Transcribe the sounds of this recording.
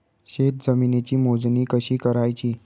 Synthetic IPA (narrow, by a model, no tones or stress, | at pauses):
ɕet̪̚d͡zəminet͡ɕiːmod͡zniːkəɕiːkəɾajt͡ɕiː